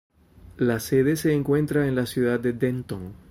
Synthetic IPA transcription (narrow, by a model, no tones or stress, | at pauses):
lase̞ðe̞se̞ːŋkwe̞nt̪ɾaenlasjuðad̪̚d̪e̞d̪ent̪oŋ